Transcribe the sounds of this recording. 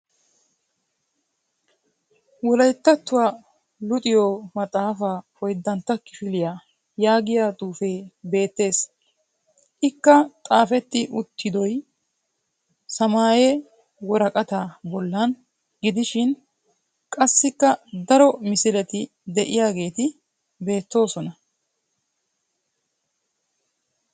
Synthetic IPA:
wɔlɐjt̪ːɐt̪ːʊwa | lʊt̪ʼɪjoːmɐt̪ʼaːfafɔjd̪ːɐnt̪ːɐkɪfɪlɪja | jaːɡɪjaːt̪ʼuːfeːbe̞ːt̪ːe̞ːs | ʔɪkːɐt̪ʼaːfɛt̪ːɪʔʊt̪ʰːɪd̪ɔj | sɐmaːjɛ | wɔɾɐkʼɐt̪aːbɔlːɐn | ɡɪd̪ɪʃɪn | kʼɐsːɪkːɐd̪ɐɾɔmɪsɪlɛt̪ɪ | d̪ɛʔɪjaːɡe̞ːt̪ɪ | be̞ːt̪ːo̞ːsɔnɐ

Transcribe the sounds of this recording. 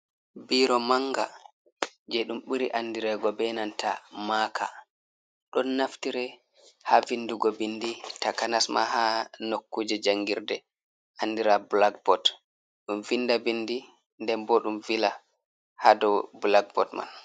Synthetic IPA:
biːɾɔmaŋɡa | d͡ʒɛɗumɓuɾiʔanːdiɾɛːɡɔbɛnantʰamakʰa̰ | ɗɔnːaftiɾɛ | havinduɡɔbinditakanasma̰hanokːuːd͡ʒɛd͡ʒaŋɡiɾdɛ | ʔanːdiɾabulaɡ̚bɔt | ɗumvinːdabindi | ndɛmbɔɗumvila | hadɔbulaɡ̚bɔtma̰n

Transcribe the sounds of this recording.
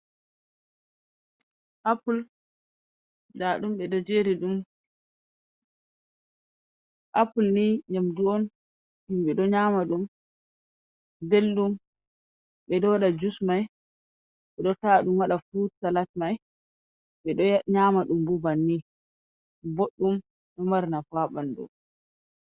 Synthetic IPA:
ʔapul | daɗumɓɛdɔd͡ʒeɾiɗum | ʔapulniɲamduɔn | himɓɛɗɔɲaːmaɗum | belɗum | ɓɛdɔwaɗad͡ʒusmaj | ɓɛɗɔtaɗumwaɗafusalatmaj | ɓɛɗɔɲaːmaɗumbubanːi | boɗːum | ɗɔmaɾnafaɓandɔ̰

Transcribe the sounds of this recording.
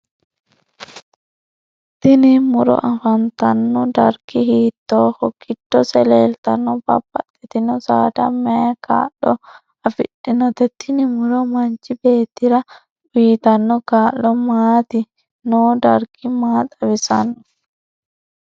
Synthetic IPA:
t̪inimuɾɔ̰ʔafant̪anːɔda̰ɾkihiːt̪ːɔhɔkʰːitːɔsɛlɛlt̪anːɔba̰bːa̰tːɛt̪inɔsaːdamɛka̰ɗɔ | afḭɗːinɔt̪ɛt̪ʰinimuɾɔmaɲt͡ʃibeːt̪iɾa | wiːt̪anːɔkaːlːɔmaːt̪i | nɔdaɾkimaːt̪awisanːɔ

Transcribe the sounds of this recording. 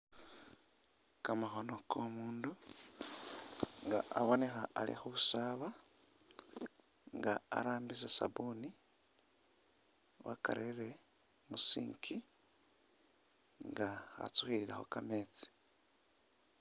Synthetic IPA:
kamaxo̞no̞kʰo̞muːndu | ŋɡaaβo̞ne̞xaalḭxuβusaːβa | ŋɡaa̰ɾaːmbis̬asa̰buni | βa̰ka̰ɾeɾe̞musḭːŋkʰi | ŋɡaa̰t͡suxiɾiɾa̰xo̞̰kameːt͡si̥

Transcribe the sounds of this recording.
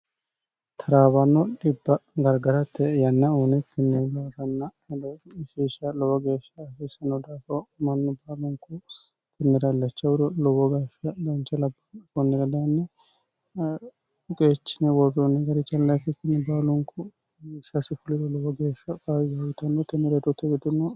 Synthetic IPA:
t̪ʰɐɾaːbɐnːɔᶑɪbːɐɡɐɾɡɐɾɐt̪ːɛjɐnːɐuːnɛkɪnːɛlɔɾɐnːɐ | lɔfiːʃɐlɔwɐɡe̞ːʃːɐfɪsɐnːɔd̪aːfɔmɐnːɔbaːlʊŋkʊ | kɪnːɛɾɐlːɐt͡ʃːɐwʊd̪ɔlɔwɔɡɐːʃɐd̪ɐnt͡ʃːɐlɐbːɐkɔnːɛɾɐd̪ɐjnːɛ | kʼeːt͡ʃːɪnɛwɔrɔnːɛɡɐɾɪt͡ʃːɐlːɐjfɪkːɪnːɛbaːlʊŋkʊ | ɪʃɐsɪfʊlɪd̪ɔlɔwɔɡeːʃːɐkʼazɐɡɪt̪ɐnːɔt̪ɛnːɛɾɛd̪ɔt̪ːɛɡɪd̪ʊnːɔ

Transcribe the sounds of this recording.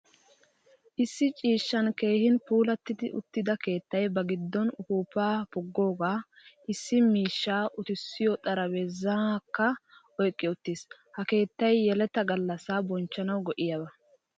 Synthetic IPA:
ʔɪsːɪt͡ʃʼiːʃːɐnke̞ːhɪnpuːlɐt̪ːɪd̪ɪʔʊ̰t̪ːɪd̪ɐke̞ːt̪ːɐjbɐɡɪd̪ːɔnʊhuːpaːpɔɡːo̞ːɡaːʔɪsːɪmiːʃːaːʔʊt̪ɪsːɪjɔt̪ʼɐɾɐwɛzakːɐ | ɔjkʼːɪʊt̪ːiːs | hɐke̞ːt̪ːɐjːɛlɛt̪ːɐɡɐlːɐsaːbɔnt͡ʃːɐnɐwɡɔʔɪjɐbɐ

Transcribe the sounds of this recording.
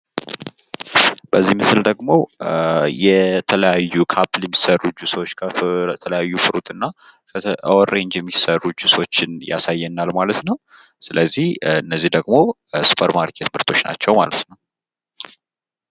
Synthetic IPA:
b̥əzːimɨsɨld̪əɡmo̞ | jɛt̪ʰələjajːukʰapljɛmːisərːud͡ʒusəwot͡ʃːɡaɛt̪ʰələjajːufɨɾut̪ʼɨnːakʰoɾe̞ɲd͡ʒjɛmːisərːud͡ʒːusəwot͡ʃːɪnja̰sajːɛnːalmalət̪nəw | sɨləzːihɨnːəzːihd̪əɡmo̞ | su̥pʰəɾmaɾkʰet̪mɨɾt̪ʰo̞t͡ʃːna̰t͡ʃːɛwma̰lət̪nəw

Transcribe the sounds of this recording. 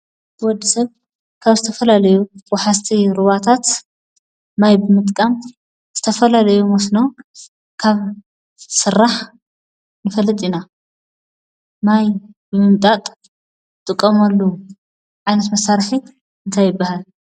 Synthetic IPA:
bwɔd̪ːisɐβ | kʰaβzɨt̪ʰɐfɐlalɐjuwɔħast̪ʰiɾuβat̪ʰat̪ | najbɨmɨt̪ʼkʼam | z̥ɨt̪ʰɐfɐlalɐjumɐsno | kʰaβ | sɨɾːaħ | nɨfɐlːɐt̪ʼina | najbɨmɨmt̪ʼat̪ʼ | t̪ʼɨkʼːɐmɐlːu | ʕajnɐt̪mɐsaɾħi | ɨnt̪ʰajɪbːahal

